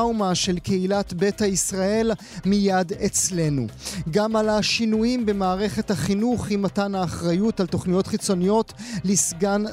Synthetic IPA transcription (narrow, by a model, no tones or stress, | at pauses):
wmaʃe̞lke̞ilatbe̞thaisʁae̞l | mijadet͡sle̞nṵɡamalaʃinujimbe̞maːʁe̞χe̞thaχinuχimatanaːχʁajutalto̞χnijo̞tχit͡so̞nijo̞tlisɡan